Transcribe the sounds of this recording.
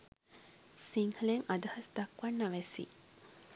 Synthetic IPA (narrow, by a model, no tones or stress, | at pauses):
siŋhəleŋʔad̪ɐhɐsd̪ɐkʋanːaʋɛsḭ